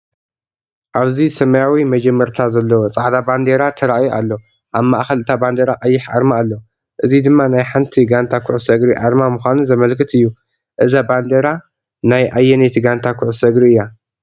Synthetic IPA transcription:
ʔaβzisɐmɐjawimɐd͡ʒɛmːɐɾt̪ʰazɐlːɐwot͡sʼaʕd̪aband̪eɾat̪ʰɐɾaʔjoʔa̰lːo | ʔaβma̰ʔxɐlɨt̪ʰaband̪eɾaʔajːɪħʔa̰ɾmaːlːo | ʔɨzid̪ɨmːanajħant̪ʰiɡant̪ʰakʰʊʕsɐɡɾiʔaɾmamuxʷanuzɐmɐlkʰɨt̪ɨjːu | ʔɨzaband̪eɾa | najʔajːɛnet̪ʰiɡant̪ʰakʰʊʕusɐɡɾiɨjːa

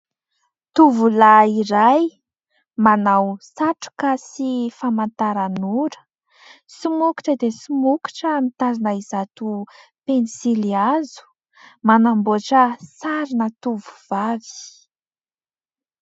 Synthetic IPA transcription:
t̪uvulaiɾaj | manawsaʈ͡ʂu̥kasifamant̪aɾanuɾə̥ | simuki̥ʈ͡ʂəd̪esumuki̥ʈ͡ʂəmit̪azinəizat̪u | pensiliazu̥ | manamboaʈ͡ʂəsaɾinət̪uvuv̥avi̥

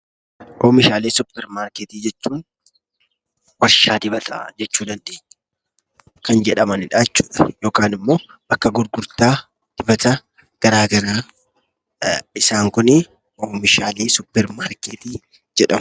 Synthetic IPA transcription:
ʔoːmɪʃaːleːsʊpːɛɾmaːɾkeːt̪iːd͡ʒɛt͡ʃːuːn | wɐɾʃaːd̪ɪbɐt̪ʰɐ̰d͡ʒɛt͡ʃːuːd̪ɐnᶑɪ̥ | kɐnd͡ʒɛᶑɐmɐnɪᶑaɛt͡ʃːu̥ːᶑɐ̥jo̞ːkaːnɪmːo̞ː | bɐkːɐɡʊɾɡʊɾt̪aː | d̪̥ɪbɐt̪ɐ | ɡ̥ɐɾaːɡɐɾaː | ɪsaːŋkʊnɪ | oːmɪʃaːleːsʊpːɛɾmaːɾkeːt̪iː | d͡ʒɛᶑɐm

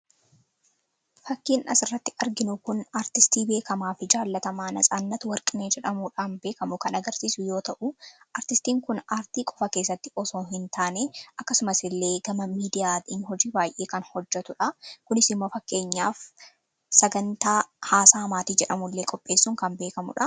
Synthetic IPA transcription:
fɐkːiːnʔɐsɪrːɐt̪ːɪɐɾɡɪnʊkʊnaːɾt̪ɪst̪iːbe̞ːkɐmaːfɪd͡ʒaːlːɐt̪ɐmaːnɐsʼaːnːɐt̪wɐɾkʼɪneːd͡ʒɛᶑɐmuːᶑaːnbe̞ːkɐmʊkɐnɐɡɐɾsiːsʊjo̞ːt̪ɐʔʊʔɐːɾt̪ɪst̪iːŋkʊnaːɾt̪iːkʼɔfɐke̞ːs̬ːɐt̪ːɪɔsoːɦɪnt̪ʰaːneːʔɐkːɐsʊmɐsɪlːe̞ːɡɐmɐmiːd̪ɪjaːt̪iːnhɔd͡ʒiːbaːjʔeːkɐnhɔd͡ʒːɛt̪ʊᶑɐkʊnɪsɪmːo̞ːfɐkːe̞ːɲːaːf | sɐɡɐnt̪aːhaːsaːmaːt̪iːd͡ʒɛᶑɐmʊlːe̞ːkʼɔpʼːe̞ːsːʊːŋkɐnbe̞ːkɐmʊ̰ᶑɐ

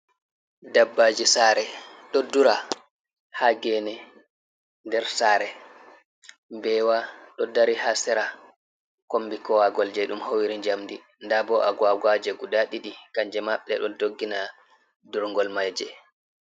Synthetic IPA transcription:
dabːad͡ʒisaːɾɛɗɔduɾa | haɡɛnɛ | ndɛɾsaːɾɛ | bɛwaɗɔdaɾihasɛɾa | kombikɔwaɡɔld͡ʒɛɗumhowiɾiɲd͡ʒamdi | ndabɔʔaɡwaɡad͡ʒɛɡudaɗiɗikaɲd͡ʒɛmaɓɛɗɔdoɡːina | duɾŋɡɔlmajd͡ʒɛ

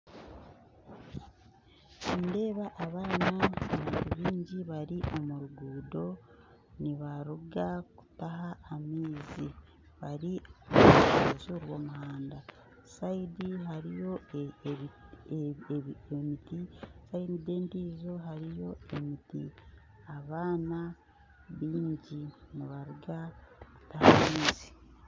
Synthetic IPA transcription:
siːnde̞ːβaʔːβaːnaamuɾuβiːɲɟiβaɾiʔo̞muɾuɡuːdo̞ | niβaɾuɡaku̥taɦaːmiːzi | βaɾioazuɾwo̞ːmuɦaːnda | saidiɦaɾijo̞ | emitisainideːndiːzo̞ɦaɾijo̞e̞miti | aβaːna | βiːɲɟiniβaɾuɡaku̥tahamiːzi̥

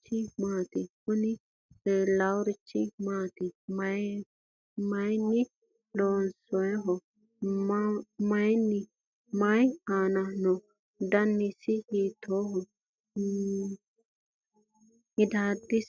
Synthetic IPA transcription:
t͡ʃːɪmaːt̪ɪhʊnɪ | ɛlawɾɪt͡ʃːɪmaːt̪ɪmɐ | mɐjnːɪ | loːnsɔjɦɔ | mɐjnːɪ | mɐjaːnɐnɔ | d̪ɐnːɪsɪhiːt̪ʰːɔɦɔ | ɪd̪aːd̪ɪs

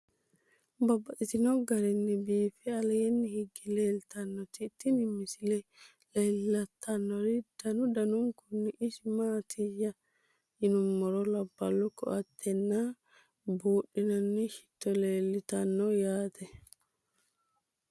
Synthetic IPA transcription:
bɐbːɐʔɪt̪ɪnɔɡɐɾɛnːɪbiːfɛɐlɐjɛnːɪhɪɡːɪleːlt̪ɐnːɔt̪ɪt̪ːɪnɪmɪsɪlɛ | leːlːɐt̪ʰːɐnːɔɾid̪̥ɐnʊd̪ɐnʊŋkʊnːɪʔɪsmaːt̪ʰɪjːɐ | ɪnʊmːɔɾɔlɐbːɐlːɔkːɔ̰ʔɐt̪ʰːɛnːaː | buːɗɪnɐnːɪʃɪ̥t̪ːɔleːlːɪt̪ɐnːɔjaːt̪ʰɛ

